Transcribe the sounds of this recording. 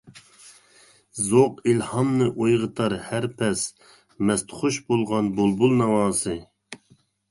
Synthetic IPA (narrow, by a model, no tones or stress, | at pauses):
zoqilhɑmnɨʔojʁət̪ʰɑɾhæɾpʰɛs | mɛst̪χoʃbolˠʁɑnbolˠbulˠnɑwɑːsɨ